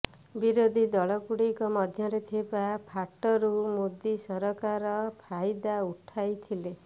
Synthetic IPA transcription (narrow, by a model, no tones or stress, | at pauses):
biɾod̪ʱid̪ɔɭɔkuɽikɔmɔd̪ʱjɔɾet̪ʰebapʰaʈɔɾumod̪isɔɾɔkaɾɔpʰajd̪auʈʰajt̪ʰile